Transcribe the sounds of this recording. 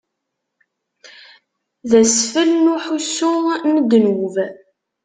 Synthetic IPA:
ðæsfəlnuħusːʊnəd̪nwv

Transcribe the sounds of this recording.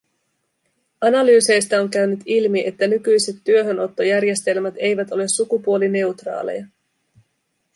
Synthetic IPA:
ɑnɑlyːse̞jst̪æo̞ŋkæɥnyt̪ilmiʔe̞t̪ːænykyjse̞t̪ːyø̞ɦø̞no̞t̪ːo̞jærje̞st̪e̞lmæt̪e̞jʋæt̪o̞le̞sːukupuoline̞ut̪rɑ̰ːle̞̰jɑ

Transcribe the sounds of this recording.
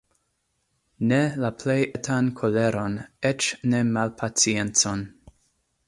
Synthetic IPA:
nelapʰlejʔetʰankʰoleɾo̞net͡ʃnemalpʰat͡sient͡son

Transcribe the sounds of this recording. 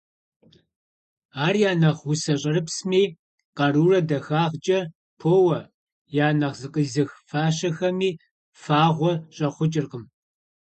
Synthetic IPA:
aːrjaːnɐʁwʊsɐɕʼɐrɨpsmiː | qɐruːrɐdɐxaːʁt͡ʃʼɐ | pʰoːwɐ | jaːnɐʁzɨqʼəzɨxfaːɕɐxɐmiː | faːʁʷɔɕʼɐχʷʊt͡ʃʼɪrqəm

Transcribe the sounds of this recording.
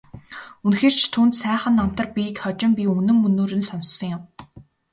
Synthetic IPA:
unxeːr̥t͡ɕt̪ʰuːnt̪sæːχə̆nːam̥t̪ə̆rpʲikχɔt͡ɕɪ̆mpʲiunɘ̆ŋːɵnoːɾɘ̆nsɔnsːɞ̆ŋjʊm

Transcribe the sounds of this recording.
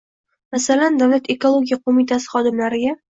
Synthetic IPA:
masaland̪avlat̪ʰe̞ko̞lˠo̞ɡʲijaqʰomɪt̪ʰasɪ̥χɒd̪ɪmlaɾɪɡʲa

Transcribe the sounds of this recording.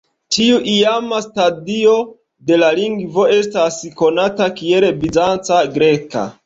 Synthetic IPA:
tiuʔiamastadio̞ | de̞laliŋɡvo̞e̞stasko̞natakie̞lbizant͡saɡɾe̞ka̰

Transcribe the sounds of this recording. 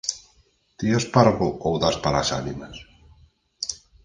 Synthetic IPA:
t̪iospaɾɣoowðaspalasanimas

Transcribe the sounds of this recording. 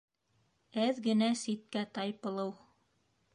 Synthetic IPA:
æðɡɘ̆næsit̪̚kæt̪ɑjpɤ̆lˠɤw

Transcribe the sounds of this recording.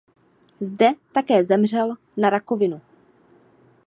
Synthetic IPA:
zdɛt̪akɛːzɛmrɛl | naɾako̞vɪnu

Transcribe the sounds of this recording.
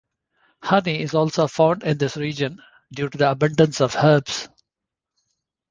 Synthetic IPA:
hʌniɪzɔːlsoːfãʊɳɖɪ̃nd̪ɪsɾiːd͡ʒə̃n | ɖjuːʈud̪iəbʌ̃ɳɖə̃nsɔʋhəɾbs

